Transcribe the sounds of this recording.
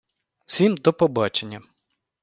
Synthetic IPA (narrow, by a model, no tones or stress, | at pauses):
sʲimd̪ɔpɔbɑt͡ʃenʲːɐ